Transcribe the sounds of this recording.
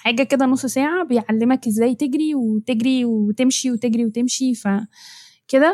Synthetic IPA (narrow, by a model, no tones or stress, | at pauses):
ħaːɡæked̪ænosˤːsæːʕabejʕalːemækʔezːæːjt̪eɡɾiwet̪eɡɾiweet̪emʃiwet̪eɡɾiwet̪emʃifæ | ked̪æ